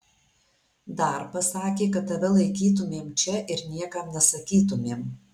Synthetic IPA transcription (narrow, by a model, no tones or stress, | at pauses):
d̪ɐɾpɐsɑːkʲeːkɐt̪ɐʋʲɛlˠɐɪkʲiːt̪̬ʊmʲeːmt͡ʃʲɛʔɪɾnʲiɛkɐmnʲɛsɐkʲiːt̪̬ʊmʲeːm